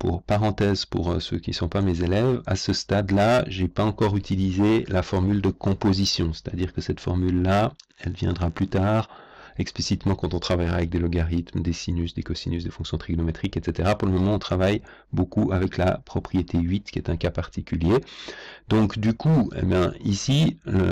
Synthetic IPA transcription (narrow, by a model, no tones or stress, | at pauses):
pṵʁpaʁɑ̃t̪ɛːzpṵʁsø̰kʲisɔ̃pamezelɛva̰səst̪ad̪laʒepaɑ̃kɔʁyt̪ilizelafɔʁmyld̪əkɔ̃pozisjɔ̃se̥t̪ʰad̪iːʁkəsɛt̪fɔʁmylːaɛlvjɛ̃d̪ʁaplyt̪aːʁ | ɛksplisit̪mɑ̃kɑ̃t̪ɔ̃t̪χavajʁaːvɛk̚d̪elɔɡaʁit̪md̪esinysd̪ekɔsinys̬d̪efɔ̃ksjɔ̃t̪χiɡnɔmet̪χikɛt̪set̪eʁapuʁləmɔmɑ̃ɔ̃t̪χavaj | bokuavɛkla̰pχɔpχijet̪ʰeɥit̪kʲiɛt̪ɛ̃kapaʁt̪ikʲylje | d̪ɔ̃kd̪ykʰuḛbjɛ̃isilə